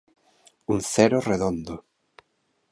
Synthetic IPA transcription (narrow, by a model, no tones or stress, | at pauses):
unθɛɾʊreðond̪ʊ